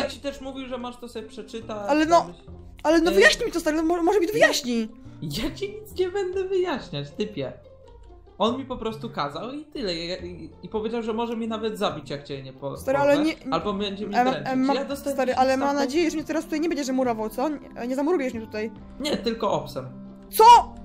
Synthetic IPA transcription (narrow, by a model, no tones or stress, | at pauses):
jat͡ɕi̥t̪ɛʂmuvʲiwʐɛmaʂt̪ɔsɔbʲɛpʂɛt͡ʂɘt̪aalɛnɔ | alɛnɔvɨjaɕɲimʲit̪ɔst̪aɾɛnɔbmɔɔmɔʐɛbid̪vɘjaɕɲijat͡ɕiɲit̪sɲɛbɛnd̪ɛvɘjaɕɲat͡ɕt̪ɘpʲjɛ | ɔnmʲipɔpɾɔst̪ukazawit̪ɘlɛaaipɔvʲed͡ʑawʐɛmɔʐɛmʲinavɛd̪zabʲit͡ɕjakt͡ɕɛɲɛpɔst̪aɾɛalɛɲɛalbɔbɛɲd͡ʑɛmʲɾɛmmajad̪ɔst̪ɛst̪aɾɨʔalɛmamnad͡ʑejɛʐɛmɲɛt̪ɛɾast̪ut̪ajɲɛbɛɲd͡ʑɛʐɛmuɾɔvawt̪sɔ | ɲɛzamuɾujɛʂmɲʲɛt̪u̥t̪aj | ɲɛt̪ɘlkɔʔɔpsɛm | t̪sɔ